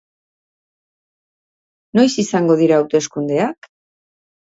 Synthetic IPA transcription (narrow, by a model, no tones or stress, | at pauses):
no̞jsisaŋɡo̞ðiɾaːwt̪e̞skund̪e̞ak